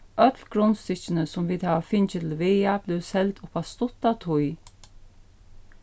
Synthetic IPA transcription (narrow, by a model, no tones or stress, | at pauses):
ʔœt̪lɡɾʊnst̪ɪt͡ʃɪnəsʊmʋiːd̪hæːʋafɪnt͡ʃəɪt̪ʰɪlʋɛjab̥lɪwsɛlt̪ʰʊpast̪ʊt̪at̪ʰʊj